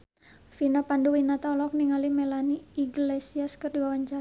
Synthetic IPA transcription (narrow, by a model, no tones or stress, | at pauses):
finapanduwinat̪aɔlɔk̚niŋalimɛlaniːɡlesiaskərdiwawaɲt͡ʃaɾa